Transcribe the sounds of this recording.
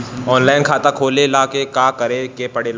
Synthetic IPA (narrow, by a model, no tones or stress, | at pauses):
ɔːnlaːɪnkʰaːt̪akʰoːlelaːkekaːkɐɾekepɐɽel